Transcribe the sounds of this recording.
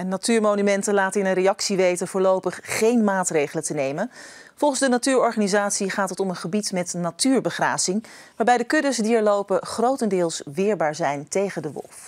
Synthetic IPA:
ɛnːatyːɹmoːnymɛntəlaːtəɪnənrejɑksiʋejtəvʊːɹlowpəχːejnmaːtrejχələtənejmən | vɔlˠχənzdənatyːɹɔɹχaːnizaːtsiχaːtɦətɔmənχəbitmɛtnatyːɹbəχra̰ːzɪŋʋaːɹbɛjdəkɵdəsdiɛɹlowpəχrowtəndɪːlˠsʋɪːɹbaːɹzɛjntejχədəʋɔ̰lˠf

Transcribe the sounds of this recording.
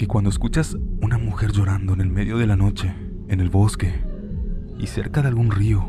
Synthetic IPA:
ke̞kwand̪o̞eskut͡ʃasunamuxe̞ɾʝo̞ɾand̪o̞ene̞lme̞ðjo̞ðe̞lano̞t͡ʃe̞ː | ne̞lβo̞ske̞ | ḭse̞̰ɾkaðealɣunrio̞

